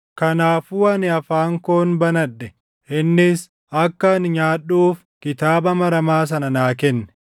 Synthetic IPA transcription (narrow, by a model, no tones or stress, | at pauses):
kɐnaːfʊwɐnɪɐfaːŋkoːnbɐnɐᶑːɛ | ɪnːɪs | ɐkːɐnɪɲaːɗːuːf | kɪt̪aːbɐmɐɾɐmaːs̬ɐnɐnaːkɛnːɛ̥